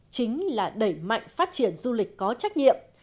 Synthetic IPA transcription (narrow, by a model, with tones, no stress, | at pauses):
t͡ɕï˨˦ŋ̟laː˨˩ɗə˧˩jma̰˧˨jŋ̟faː˦˥t̚t͡ɕi˧˩ənzu˧li˨˩k̟̚kɔ˨˦t͡ɕa˦˥k̚ɲḭ˧˨əm